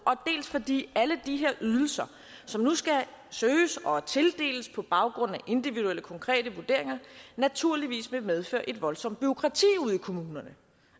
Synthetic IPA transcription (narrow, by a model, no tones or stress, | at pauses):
ʔɒ̽d̥e̝ːlsfɒd̥ḭːæləd̥iɦe̝ɐʔyðˠl̩sɐ | sɒ̽mnusɡ̥æ | søːsɒ̽t͡sʰe̝ld̥e̝̰ːləspʰɒ̽b̥ɑ̈ʊɡ̥ʁɔ̽n̰æʔe̝nd̥iʋiðueləkʰɒ̽ŋkʰʁɛ̰ːd̥əʋuɐd̥e̝ɐ̰e̝ŋɐnæt͡sʰuɐliʋḭːsmemeð̞ˠfø̰ɐ̰ʔe̝d̥ʋɒ̽lsɒ̽m̰d̥̚b̥yo̝kʰʁɑ̈t͡sʰḭːuð̰ˠikʰo̝muːnɐnə